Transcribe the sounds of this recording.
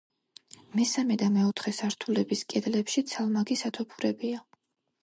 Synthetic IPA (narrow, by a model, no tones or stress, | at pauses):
mɛsamɛd̪amɛɔt̪ʰχɛsaɾt̪ʰulɛbiskʼɛd̪lɛpʃit̪sʰalˠmaɡisat̪ʰɔpʰuɾɛbia